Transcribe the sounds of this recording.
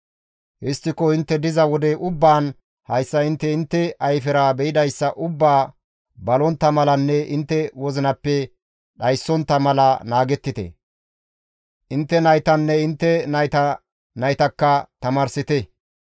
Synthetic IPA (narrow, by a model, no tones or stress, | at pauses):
hɪst̪ːɪkɔɪnt̪ːɛd̪ɪzɐwɔd̪ɛʔʊbːaːn | hɐjsːɐɪnt̪ːɛɪnt̪ːɛʔɐjfɛɾaːbɛɪd̪ɐjsːɐʔʊbːaː | bɐlɔnt̪ːɐmɐlɐnːɛʔɪnt̪ːɛwɔzɪnɐpːɛ | ɗɐjsːɔnt̪ːɐmɐlɐnaːɡɛt̪ːɪt̪ɛ̰ | ʔɪnt̪ːɛnɐjt̪ɐnːɛɪnt̪ːɛnɐjt̪ɐ | nɐjt̪ɐkːɐt̪ɐmɐɾsɪt̪ɛ